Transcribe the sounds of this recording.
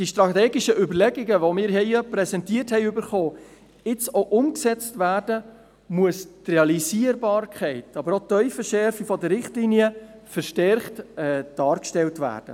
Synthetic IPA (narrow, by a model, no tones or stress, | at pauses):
d̥iʃtɾɑt̪ɛːɡɪʃəʔʏbəɾlɛɡiɡəʋomɪːɾɦɛɪpɾɛsɛntiːərthɛɪʏbəɾχoː | ɪt͡soʔʊmksɛt͡stʋæːrd̥ə | muəstrɛɑlisiəɾbɑːɾkʰχɛɪtɑbəɾotːœʏfəʃɛɾfifɔdəːɪχtliniə | fəɾʃtɛɾχtɛːd̥ɑːɾkʃtɛltʋæ̰ːrd̥ə̰